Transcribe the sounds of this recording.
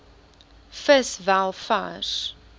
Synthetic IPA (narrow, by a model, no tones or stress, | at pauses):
fəsvalˠfa̰ːr